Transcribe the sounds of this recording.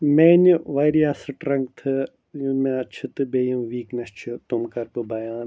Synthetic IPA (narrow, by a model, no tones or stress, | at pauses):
meniʋɐjɾiaːsɨʈɾɐ̃ŋɡ̚t̪ʰɨ | jmẽɐt͡ʃʰɨt̪ɨbeːjɐmʋiːknɐst͡ʃʰut̪umkɐɾbɨbɐjaːn